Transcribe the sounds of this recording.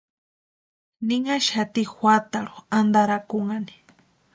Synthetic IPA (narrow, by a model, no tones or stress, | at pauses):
nɪŋaʃat̪ixʷwat̪aɾo̥and̪aɾakʊŋani̥